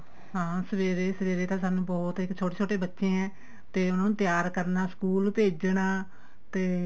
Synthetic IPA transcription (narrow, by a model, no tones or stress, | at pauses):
ɦãːsəʋeːɾeːsəʋeːɾeːt̪ãːsaːnũːbɔːt̪ɪkt͡ʃʰoːʈeːt͡ʃʰoːʈeːbətːʃẽːɛ̃ː | t̪eːʊnãːnũːt̪ɪjaːɾkəɾnaːskuːlpeːd͡ʒɳaː | t̪eː